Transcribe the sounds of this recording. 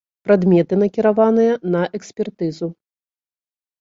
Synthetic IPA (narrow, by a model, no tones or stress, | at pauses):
pɾad̪mʲɛt̪ɨnɐkʲiɾavanɨjɐnɐʔɛksʲpʲɛrt̪ɨzu